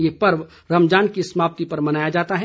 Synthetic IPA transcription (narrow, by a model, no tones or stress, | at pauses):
jepɐɾʋ | ɾɐmd͡ʒaːnkisəmaːp̚t̪ipɐɾmɐnaːjad͡ʒaːt̪aɦɛ